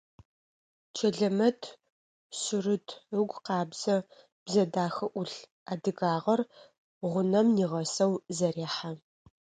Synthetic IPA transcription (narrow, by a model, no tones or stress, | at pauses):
t͡ʃʰɐɮɐmɐtʰ | sʊrɨtʰɨɡʷqɑːbz̥ɐ | b̥zɐdaːxɐʔʷʊɬ | aːdɨɣaːʁɐr | ʁʷʊnɐmniːʁɐsɐwzɐɾeːħa